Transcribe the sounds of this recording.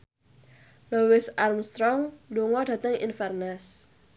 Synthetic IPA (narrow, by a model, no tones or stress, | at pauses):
lowɪsarmst̪ɾɔŋluŋɔdä̤t̪əŋḭnfɛrnas